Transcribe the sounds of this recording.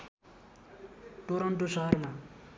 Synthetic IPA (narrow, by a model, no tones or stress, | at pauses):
ʈoɾʌɳʈosʌɦʌrma